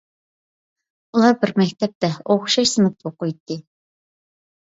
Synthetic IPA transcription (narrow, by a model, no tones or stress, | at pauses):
ulˠɑbɪɾmɛkʲt̪ʰɛp̚t̪ɛoχʃɑʃsɨmɨp̪̚oqʊjt̪ʰːɨ